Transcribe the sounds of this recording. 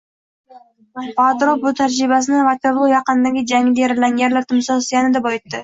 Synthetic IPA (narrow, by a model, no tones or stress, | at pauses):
pat̪ɾop̚bʊt̪ʰaɾd͡ʒɾɪbasɪnɪvat̪ʲaɾlˠʊjɑqɨnd̪aɡʲɪd͡ʒaŋɪd̪ajɾalaŋɡʲaɾlaɾt̪ʰɪmsɒsɪjanɪd̪abɒɪt̪ːɪ